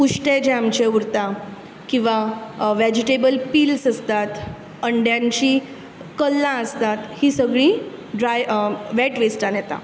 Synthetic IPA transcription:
puɕʈed͡ʑɛmt͡ɕeuɾt̪ã | kĩw̃ʋaʋæd͡ʑiʈebəlpiːlsəst̪at̪ | əɳɖjãɲt͡ɕiː | kəlːãəst̪at̪hiːsəɡɭĩ | ɖɾajʋɛʈʋesʈãnjɛt̪a̰

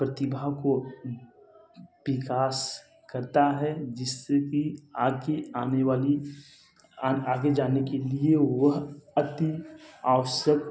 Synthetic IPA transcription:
pɾɐt̪ɪbʱako | bɪkaːs | kɐɾt̪aɦɛd͡ʒɪsːekiaːɡeaːneʋaːli | aːɡed͡ʒaːnekelieʋɐɦɐt̪iaːʋəʃjək

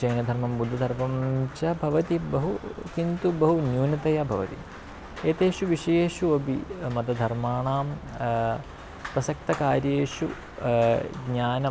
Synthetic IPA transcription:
t͡ʃɐjnɐd̪ʱɐɾmɐmbud̪ʱːɐd̪ʱɐɾpɐmt͡ʃɐbʱɐʋɐt̪ibɐɦukint̪ubɐɦunjuːnɐt̪ɐjɐbʱɐʋɐt̪ḭ | eːt̪eːʃuʋiʂɐjeːʃuɐbʱimɐt̪ɐd̪ʱɐɾmaːɳaːm | pɾɐsɐk̚t̪ɐkaːɾjeːʂu | ɡɲaːnɐm

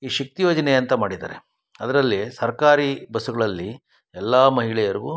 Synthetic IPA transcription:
iːʃɐk̚t̪ijoːd͡ʒɐneɐnt̪ɐmaːɽid̪a̰ːɾe | ɐd̪ɐɾɐlːisɐɾkaːɾibɐsuɡɐɭɐlːi | ɛlːaːmɐɦiɭɛjɐɾiɡu

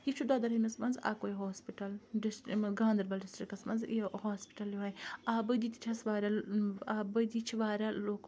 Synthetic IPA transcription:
jit͡ʃʰud̪aːd̪ɐɾɐmɐsmɐnza̰ːkoːiɦoːspiʈɐlɖɪsʈɡãːnd̪ɐɾbɐlɖɪsʈɾikɐsmɐnzihaːspi̥ʈɐljoaːjaːbɨd̪it̪i̥t͡ʃʰɐsʋaːɾʲaaːbɨd̪it͡ʃʰiʋaːɾʲaloːk

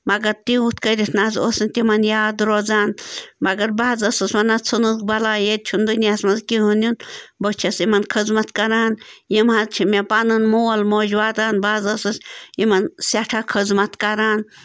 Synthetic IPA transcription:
mɐɡɐɾt̪iut̪ʰkəɾʲit̪ʰnaːzosinʲt̪imɐnjaːd̪ɾoːd͡zaːnmɐɡɐɾbaːzɐsɨsmɐnat͡sʰɨnuzkbɐlaːjed̪̚t͡ʃʰund̪unʲasmɐzkiɦunʲunbɐt͡ʃʰɐsimɐnkʰəzmɐt̪kɐɾaːnjimhazt͡ʃʰimʲepanɨnmoːlmoːd͡ʒʋaːt̪aːnbaːzɐsɨsimɐnsaʈʰakʰəzmɐt̪kɐɾaːn

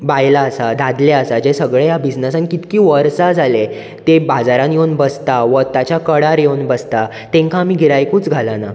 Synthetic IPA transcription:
bajlaːsad̪ʱad̪leəsad͡ʑesəɡɭejabid͡znəsankit̪kiːʋəɾsad͡zʱale | t̪ebad͡zaɾãnjewnbəst̪aʋət̪at͡ɕjakəɽaɾjewnbəst̪a | t̪ẽŋkʰaːmiːɡʱiɾajkut͡sɡʱalana

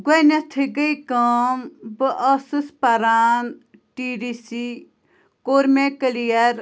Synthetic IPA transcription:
ɡɐnɐt̪ʰiɡɐikaːmbɨʔɐsɨspɐɾaːnʈiɖisi | koːɾmẽkəlijɐɾ

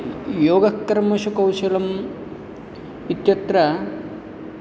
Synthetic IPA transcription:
joːɡɐkːɐɾmɐʃukɐwʃɐlɐm | it̪jɐt̪ɾɐ

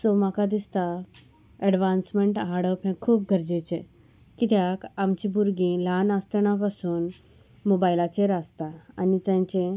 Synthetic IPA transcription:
sɔmakad̪ist̪a | ɛɖʋãnsmeɳʈɦaɾɽəpɛ̃kʰuːp̚ɡʱəɾd͡ʑet͡ɕẽ | kit̪jakamt͡ɕibuɾɡĩlanast̪ɳapasuːn | mobajilat͡ɕeɾast̪aanit̪jãɲt͡ɕẽ

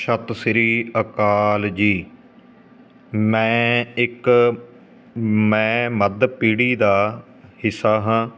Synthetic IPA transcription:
ʃət̪sɪɾiːəkaːld͡ʒiː | mɛ̃ːɪk | mɛ̃ːməd̪piːɽiːd̪aː | hɪsaːɦãː

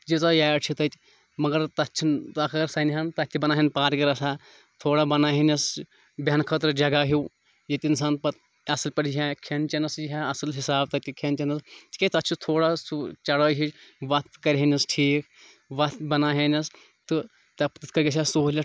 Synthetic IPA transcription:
d͡ʒit͡sajaːjʈt͡ʃʰit̪ɐt̪ʲ | mɐɡɐɾt̪ɐtt͡ʃʰint̪ɐkɐɡɐɾsɐnɦɐnt̪ɐt̪ʲʰːibɐnaːɦinpaːɾkɐɾɐsaː | t̪ʰoːɽabɐnaːɦenɐs | bʲɐnkʰɐt̪ɾd͡ʒɐɡaːɦiw | jɐt̪ʲins̬aːnpɐt̪ | ɐsɨlpɐʈjiɦekʰent͡ʃɐnɐsjiɦaɐsɨlɦisaːb̚t̪ɐt̪ʲikʰent͡ʃɐnɐst̪ʰʲi̥kʲet̪ɐt͡ʃʰit̪ʰoːɽasut͡ʃɐɽəːɦit͡ʃʋɐt̪̚kɐɾʲɦenɐsʈʰiːk | ʋɐt̪bɐnaːɦenɐs | t̪ɨ | t̪ɐpt̪ɨt̪ʰkɐɾɡʲet͡ʃʰʲasoːlʲɐ

